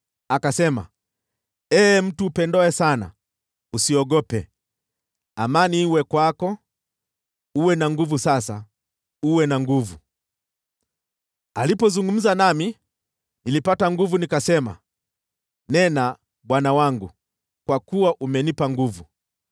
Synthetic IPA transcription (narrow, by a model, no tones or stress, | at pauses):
akasɛma̰ | ɛːm̩tuːpɛndɔɛsana̰ | usiɔɡɔpɛ | amaniwɛkwakɔ | uwɛnaŋɡuvusasa | uwɛnaŋɡuvu | alipɔzuŋɡum̩zanami | nilipataŋɡuvunikasɛma̰ | nɛna | ɓwanawaŋɡu | kwakuwaʔumɛnipaŋɡuvu